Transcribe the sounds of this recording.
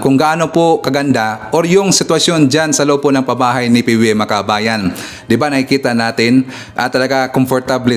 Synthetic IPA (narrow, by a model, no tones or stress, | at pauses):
kʊŋɡaʔaːnopokɐɡɐnd̪aʔoɾjʊŋsɪt̪wɐsjond͡ʒansɐloːponɐŋpɐbaːɦajnɪpiwɪmɐkabaːjan | d̪ɪbanɐkɪkiːt̪anaːt̪ɪn | ʔɐt̪ɐlɐɡakomfoɾt̪ablɛ